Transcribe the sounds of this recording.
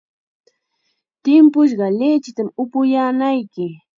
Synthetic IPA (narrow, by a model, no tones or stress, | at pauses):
t̪ɪmpʊʃ̬ɢɑlet͡ʃɪt̪amʊpʊjaːnajkɪ